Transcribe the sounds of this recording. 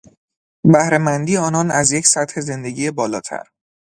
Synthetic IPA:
bæhɾe̞mænd̪iːeɒːnɒːnæzje̞cʰsæt̪he̞ze̞nd̪eɟiːjebɒːlɒːt̪ʰæ̰ɾ

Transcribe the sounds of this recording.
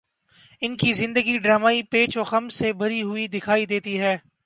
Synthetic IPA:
ɪnkizɪ̃nd̪əɡiɖɾaːmaːipeːt͡ʃoːxɐmsebʱɐɾiɦʊid̪ɪkʰaːid̪eːt̪iɦɛː

